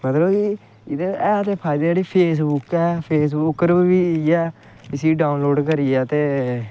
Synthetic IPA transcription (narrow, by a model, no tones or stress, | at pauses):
mət̪ləbki | ɪd̪eːɛːt̪eːpʰaːɪd̪eːd͡ʒeːɽiːpʰeːsbʊkɛːpʰeːs̬bʊkːəɾibiːiɛː | kɪsiːɖaːʊnloːɖkəɾiːɛːt̪eː